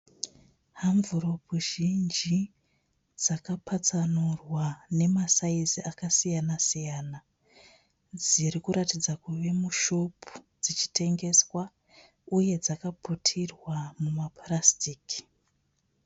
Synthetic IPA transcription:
haɱvuɾo̞puʒind͡ʒi | d͡zakapat͡sanurwane̞masaiziakasijanasijaːna | d͡ziɾikuɾatid͡zakuʋe̞muʃo̞pʰu̥ | d͡zit͡ʃi̥te̞ŋɡe̞swa | uje̞d͡zakaputʰirwamumaprastiːki̥

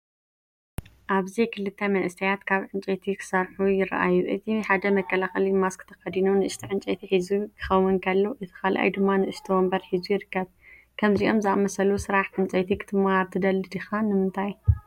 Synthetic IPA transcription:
ʔaβzikʰɨlɨt̪ʰːɐmɐʔɨsʰɐjat̪kʰaβʕɨnt͡ʃʼɐt̪ʰikʰɨ̥sɐɾħujɪɾɐ̰ʔa̰jːuʔɨt̪ʰiħad̪ɐmɐkʰːɐlaxɐlimaskʰɨt̪ʰɐ̥xɐd̪inunɨʔɨʃt̪ʰiʕɨnt͡ʃʼɐt̪ʰiħizukʰɨ̥xɐwːunkʰɐlːoʔɨt̪ʰɨ̥kalʔa̰jd̪ɨmːanɨɨʃt̪ʰiwɔmbɐɾħizujɪɾɨkːɐβ | kʰɐmziʔo̞mzɨʔamɐsɐlusɨɾaħʕɨnt͡ʃʼɐt̪ʰikʰɨ̥t̪ʰɨmːaβt̪ʰɨd̪ɐlɨd̪ixanɨmɨnt̪ʰaj

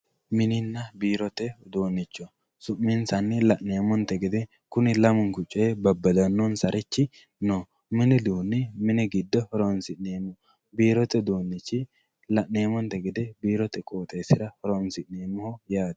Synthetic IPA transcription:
mɪnɪnːɐbiːɾɔt̪ɛd̪oːnːɪt͡ʃːɔ | sʊmːɪnsɐnːɪlɐʔneːmɔnt̪ɛɡɛd̪ɛ | kʊnɪlɐmʊŋkʊt͡ʃʼːɛbɐbːɐd̪ɐnːɔnsɐɾɛt͡ʃːɪ | no | mɪnɪd̪uːnːɪmɪnɪɡɪd̪ːɔhɔɾonsɪʔneːmːɔ | biːɾɔt̪ɛd̪oːnːɪt͡ʃːɪ | lɐʔneːmɔnt̪ɛɡɛd̪ɛbiːɾɔt̪ɛkʼoːt̪ʼeːsɪɾɐhɔɾɔnsɪʔneːmːʊhɔjaːd̪

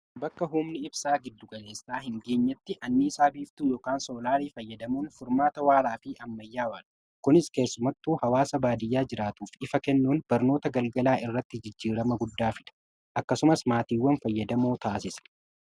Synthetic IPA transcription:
bɐkːɐɦʊmnɪɪbsaːɡɪd̪ːʊɡɐle̞ːsːaːhɪŋɡe̞ːɲːɐt̪ːɪʔɐnːisaːbiːft̪uːjoːkaːnso̞ːlaːɾiːfɐjːɐd̪ɐmuːnfʊɾmaːt̪ɐwaːɾaːfiːʔɐmːɐjːaːwaːlɐ | kʊnɪske̞ːsːʊmɐt̪ːuːhɐwaːsɐbaːd̪ɪjːaːd͡ʒɪɾaːt̪uːfɪfɐkɛnːuːnb̥ɐɾno̞ːt̪ɐɡɐlɡɐlaːʔɪrːɐt̪ːɪd͡ʒɪd͡ʒːiːɾɐmɐɡʊd̪ːaːfɪᶑ̪ɐ̥ | ʔɐkːɐsʊmɐsmaːt̪iːwːɐnfɐjːɐd̪ɐmoːt̪aːsɪsɐ̥

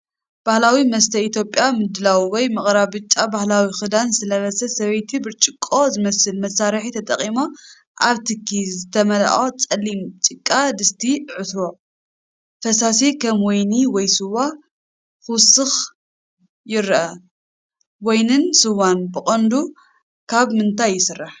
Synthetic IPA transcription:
b̥ahlawimɐst̪ʰɐit̪ʰjo̞pʼːjamɨd̪ɨlawiwɔjmɨχʼɾaβɨt͡ʃʼːabahlawixɨd̪ansɨlɐβɐsɐsɐβɐjt̪ʰibɨt͡ʃʼɪkʼːo̞zɨmɐsɨlmɐsaɾħit̪ʰɐt̪ʼɐ̰qʼimo | ʔaβt̪ʰɨkʰːizɨt̪ʰɐmɐla̰ʔʼot͡sʼɐlːimt͡ʃʼɨkʼːad̪ɨst̪ʰiʕɨt̪o | fɐsasikʰɐmwɔjniwɔjsɨwa | xɨwsɨx | jɪɾʔɐ | wɔjnɨnsɨwːanbɨχʼɐnd̪u | kʰaβmɨnt̪ʰajːɪsɨrːaħ

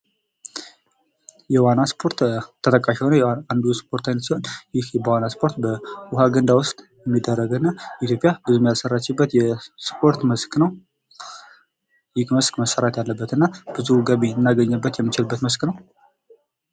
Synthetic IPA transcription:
jɛwanːaspʰo̞ɾt̪t̪ʰːət̪ʰʼəkʼːaʃɛwnəjand̪uspʰo̞ɾt̪ʰajnət̪siho̞njɪhbəwanːaspʰo̞ɾt̪bəwʊhaɡənd̪awʊst̪ʼ | jɛmːid̪ːərːəɡɨnːaʔit̪ʰjo̞pʼjabɨzumjasərːat͡ʃːɛbːət̪jɛspʰo̞ɾt̪məsknəw | jɪkməskməsːəɾat̪jalːəbːət̪ɨnːab̥ɨzuɡəβenːaɡəɲːəbːət̪jɛmːit͡ʃɪlbːət̪məsknəw

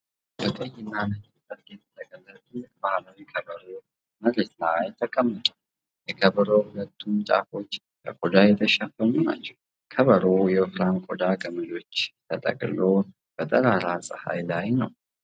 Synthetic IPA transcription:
bət̪ʼəjːɪnːanəd͡ʒ | sʼəɾɡɛt̪ʰt̪ʼəkʼəzət̪ɨkbahlawikʰəβəɾo | məlet̪ajt̪ʰəkʼəmːət̪ʼu | jɛkʰəβəɾohulət̪ʰːumt͡ʃʼa̰fo̞t͡ʃː | bəkʼod̪ajɛt̪ʰəʃafːənuna̰t͡ʃːɛw | kʰəβəɾojɛfɾankʼod̪aɡəməlo̞t͡ʃːt̪ʰət̪ʼə̰kʼlo | b̥ət̪ʼəɾaɾasʼɨha̰jlajnəw

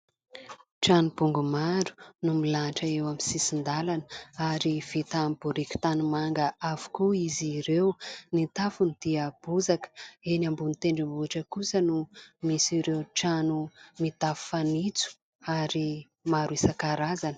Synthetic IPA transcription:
ʈ͡ʂanubuŋɡumaɾu̥numilaʈ͡ʂəewamisisind̪alanəaɾiv̥it̪amb̥uɾikʲu̥t̪anumaŋɡəavu̥kuiziɾewnit̪afunid̪̥iab̥uzakenambunit̪eɳɖ͡ʐambuaʈ͡ʂəkusənumisiɾewʈ͡ʂanumit̪afu̥fanit͡su̥ | aɾi | maɾuesakaɾazanə

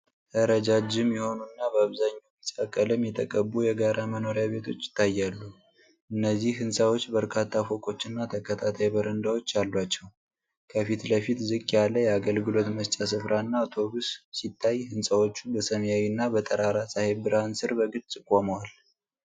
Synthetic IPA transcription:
h̪ʰəɾəd͡ʒad͡ʒɪmjɛho̞nunːabəaβzaɲːamisʼakʼːəlɨmjɛt̪ʰəkʼəbujɛɡaɾʔaməno̞ɾjaβe̞t̪ʰo̞t͡ʃːɪ̥t̪ʰːajːalːu | ʔɨnːəzːihhɨnsʼawo̞t͡ʃːbəɾkʰat̪ʰːafo̞kʼo̞t͡ʃːɨnːat̪ʰəkʰət̪ʰat̪ʰajbəɾənd̪awo̞t͡ʃːalːwat͡ʃːɛw | kʰəfit̪ləfit̪zɨkʼjalːəjɛaɡəlɡɨlo̞t̪məst͡ʃʼasɨfɾʔanːat̪ʰo̞bussit̪ʰːajhɨnsʼawo̞t͡ʃːubəsəmjawinːabət̪ʼəɾaɾasʼahebɨɾansɨɾbəɡɨtt͡sʼɨkʼːoməwal

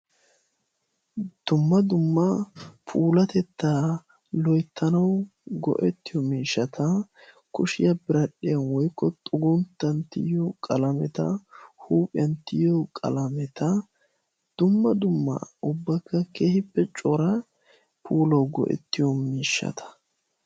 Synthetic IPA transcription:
d̪̥ʊmːɐd̪ʊmːɐpʰuːlɐt̪ɛt̪ːa | lɔjt̪ːɐnɐwɡɔ̰ʔɛt̪ːɪjɔmiːʃːɐt̪ʰɐ | kʊʃɪjɐbɪɾɐɗɪjɐnwɔjkːɔt̪ʼʊɡʊnt̪ːɐnt̪ɪjɔkʼɐlɐmɛt̪ɐ̰huːpʼɪjɐnt̪ɪjɔkʼɐ̰lɐmɛt̪ɐ | d̪̥ʊmːɐd̪ʊmːɐ̰ʊbːɐkːɐkeːhɪpːɛt͡ʃʼɔɾɐ | pʰuːlɐwɡɔ̰ʔɛ̰t̪ːɪjɔmiːʃːɐ̰t̪ʰɐ̥

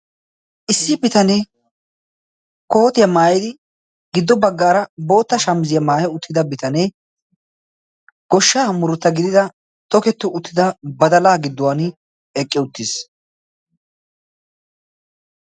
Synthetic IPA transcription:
ʔɪsːɪbɪt̪ɐneː | koːt̪ɪjɐmaːjɪd̪ɪ | ɡɪd̪ːɔbɐɡːaːɾɐbo̞ːt̪ːɐʃɐmzɪjɐmaːjɛʊt̪ːɪd̪ɐbɪt̪ɐneː | ɡ̥ɔʃːaːmʊɾʊt̪ːɐɡɪd̪ɪd̪ɐ | t̪ɔkɛt̪ːʊʊt̪ːɪd̪ɐbɐd̪ɐlaːɡɪd̪ːʊwaːn | ɛkʼːɪʊt̪ːɪs

